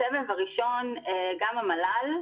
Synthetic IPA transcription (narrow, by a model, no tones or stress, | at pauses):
evevvaʁiʃo̞neɡamamalal